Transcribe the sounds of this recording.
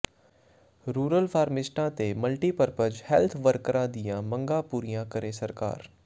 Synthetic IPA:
ɾuːɾəlfʰaːɾmɪsʈãːt̪emɐlʈiːpəɾpəd͡ʒhɛlt̪ʰʋəɾkəɾãd̪ɪijãmɐ̃ŋɡaːpuːɾijãkəɾesɐɾka̰ːɾ

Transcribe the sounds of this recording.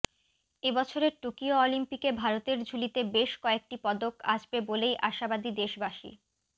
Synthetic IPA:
ebɔt͡ɕʰoɾeɾʈukioolimpikebʱaɾot̪eɾd͡ʑʱulit̪ebeʃkɔek̚ʈipɔd̪oka̰ʃbebolejʔaʃabad̪id̪eʃbaʃḭ

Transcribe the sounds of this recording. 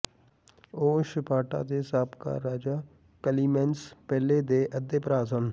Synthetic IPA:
oːʃɪpaːʈa̰ːd̪eːsaːpka̰ːɾaːd͡ʒaː | kəliːmɛ̃nspɛːleːd̪eːʔəd̪eːpəɾaːzən

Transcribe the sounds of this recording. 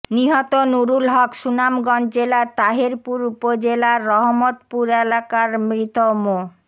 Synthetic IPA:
niɦɔt̪onuɾulɦɔkʃunamɡɔnd͡ʑelat̪aɦeɾpuɾupod͡ʑelaːɔɦmot̪puɾelakaɾmɾit̪omo

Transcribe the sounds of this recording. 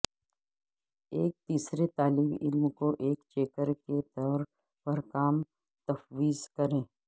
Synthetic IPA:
eːk̚t̪iːsɾet̪aːliːbɪ̰lmkoʔeːkt͡ʃeːkəɾket̪ɔːɾ | pɐɾkaːm | t̪ɐfwiːzkɐɾẽː

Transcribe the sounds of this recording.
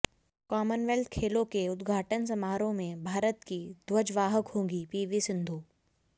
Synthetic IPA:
kɔːmənʋɛlt̪kʰeːlõkeʊd̪ɡʱaːʈəns̬ɐmaːɾõmẽbʱaːɾət̪kid̪wəd͡ʒʋaːɦəkɦõːɡipiːʋisɪ̃nd̪ʱuː

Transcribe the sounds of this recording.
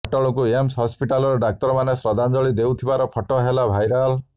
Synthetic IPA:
ʈɔɭɔkuemsɦɔspiʈalɔɾɔɖak̚t̪ɔɾmanesɾɔd̪ʱand͡ʒɔɭid̪ewt̪ʰibaɾɔpʰɔʈɔɦelabʱajɾal

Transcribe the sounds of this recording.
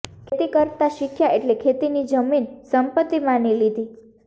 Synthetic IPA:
kʰet̪ikəɾt̪aʃikʰjaeʈlekʰet̪inid͡ʒəminsəmpət̪ːimanilid̪ʱi

